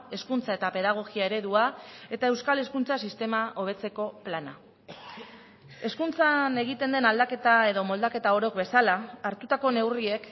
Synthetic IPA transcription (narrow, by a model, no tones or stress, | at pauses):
e̞skunt͡sae̞t̪ape̞ðaɣ̞o̞ɣiae̞ɾe̞ðuae̞t̪ae̞wskale̞skunt͡sasist̪e̞maʔo̞β̞e̞t͡se̞ko̞plana̰ | e̞skunt͡sane̞ɣ̞it̪e̞nd̪e̞nald̪ake̞t̪ae̞ðo̞mo̞ld̪ake̞t̪ao̞ɾo̞kbe̞salaːɾt̪ut̪ako̞ne̞wrie̞k